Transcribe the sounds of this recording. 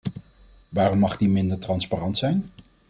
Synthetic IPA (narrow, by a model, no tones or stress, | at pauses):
ʋaːrɔmːɑχdimɪndəɹtrɑnsparɑntsɛjn